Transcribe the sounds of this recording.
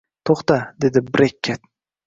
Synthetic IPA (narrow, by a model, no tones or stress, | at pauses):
t̪ʰoχt̪ad̪e̞d̪ɪbɾekʲʰːet̪̚